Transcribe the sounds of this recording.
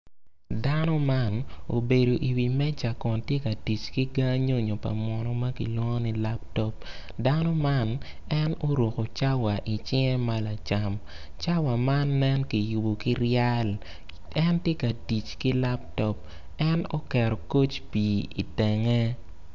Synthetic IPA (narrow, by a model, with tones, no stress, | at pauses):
da˦nɔ˦ma˦no̰˨be˨do˨ʔi˨wi˨mɛ˦t͡ʃa˨kɔ˨ntje˦ka˨di˨t͡ʃki˦ɡa˦ɲo˦ɲo˨pa̰˨mwɔ˨nɔ˨ma˦kḭ˨lwɔ˦ŋɔ˦ni˦la˦p̚tɔ˦p̚ | da˦nɔ˦ma˦nɛ˦no˦ɾwo˨ko˨t͡ʃa˦wa˨ʔi˨t͡ʃɪ˦ŋɛ˦ma˦la˨t͡ʃa˨m | t͡ʃa˦wa˨ma˦nːɛ˦nki˨ju˨bo˨ki˦ɾja˦l | ɛ˦ntje˦ka˨di˨t͡ʃki˦la˦p̚tɔ˦p̚ | ɛ˦no˦kɛ˨ɾɔ˨ko˦t͡ʃpi˨ḭ˨tɛ˨ŋɛ˦